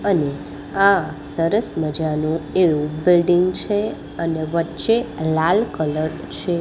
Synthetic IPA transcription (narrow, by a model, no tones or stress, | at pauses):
əne | asəɾəsməd͡ʒanũeʋũbɪlɖɪŋɡt͡ʃʰe | əneʋətːʃelalkələɾ | t͡ʃʰe